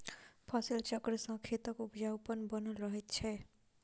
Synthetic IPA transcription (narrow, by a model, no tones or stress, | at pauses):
pʰɔsilt͡ʃʌkɾəsʌ̃ŋkʰet̪ɔkupd͡ʒawpʌnbʌnuɾʌɦet̪t͡ʃʰe